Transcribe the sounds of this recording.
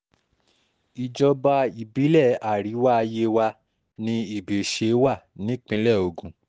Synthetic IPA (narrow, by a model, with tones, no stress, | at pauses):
i˨d͡ʒɔ˧ba˧i˨bi˨˦lɛ˦˨a˨ɾi˨˦wa˦a˧je˧wa˧ | nĩ˧i˨be˨ʃe˧˦wa˦˨nĩ˨˦k͡pĩ˧˦lɛ˦˨o˨ɡũ˨